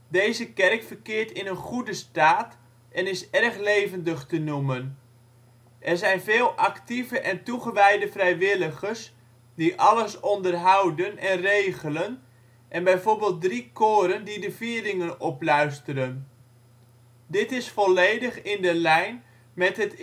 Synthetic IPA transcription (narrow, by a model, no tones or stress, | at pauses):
dejzəkɛrkfərkɪːɹtɪnənχudəstaːt | ʔɛnɪsɛrχlejvəndəχtənumən | ʔɛrzɛjnveːlˠʔɑktivəʔɛntuχəʋɛjdəvrɛjʋɪləχərs | diʔɑləsɔndərɦɑwdənɛnrejɣələn | ʔɛnbɛjvoːɹbɪːlˠt̚drikʰoːɾəndidəviəlɪŋənɔplœɥstəɾən | dɪtɪsfɔlejdəχɪndəlɛjn | mɛtɦət